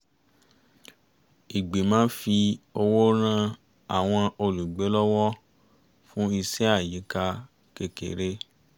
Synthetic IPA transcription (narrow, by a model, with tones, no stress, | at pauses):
i˨ɡ͡be˨˦mãː˦fi˧o˧wo˦ɾ̃ã˦ | a̰˨w̃ɔ̃˧o˧lu˨ɡ͡be˨˦lɔ˦wɔ˦ | fũ˦i˧se˦a˦˨ji˨˦ka˧ | ke˨kḛ˨ɾe˦